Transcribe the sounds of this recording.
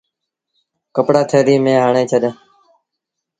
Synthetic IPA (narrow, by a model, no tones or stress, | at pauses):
kəpɽaːt̪ʰeːɗ̪iːmẽːɦaːɳeːt͡ʃʰəɗjãː